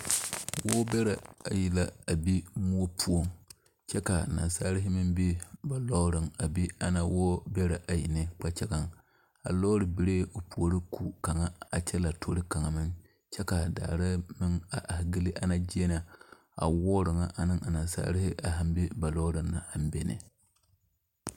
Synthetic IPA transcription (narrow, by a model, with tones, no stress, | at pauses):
wo˦bɛ˦ɾa˨a˨ji˨la˦a˨bi˦mu˦o˦pʰu˦o˦ŋ | t͡ʃɛ˦ka˨na̰˨nsaː˦ɾɪ˦ɦɪ˦mɨ˦mbi˦ba˨lɔ˦ɾɨ˨ŋa˨bi˦a˦na˦wɔː˦bɛ˦ɾa˨ʔa˨ji˨nɨ˦k͡pa˦t͡ʃɛ˦ɡa˦ŋ | a̰˨lɔ˦ɾɨ˨bi˨ɾeː˦o˨pu˨o˨˦ɾɨ˦kʰu˨ka˨ŋa˦a˨t͡ʃɛ˦la˨tʰo˦ɾɨ˦ka˨ŋa˨mɨ˦ŋ | t͡ʃɛ˦ka˨da̰ː˨ɾɨ˦mɨ˦ŋa˨ʔa˨hɡɨ˦li˦ʔa˦na˦d͡ʒi˦e˦na˨ | a̰˨wɔː˦ɾɨ˨ŋa˦ʔa˨nɨ˦ŋa˨na˨nsa̰ː˦ɾɪ˦hɪ˦ʔa˨ɦa˦mbi˦ba˨lɔː˦ɾɨ˦nna˨ha˦m˦be˦nɨ̰˨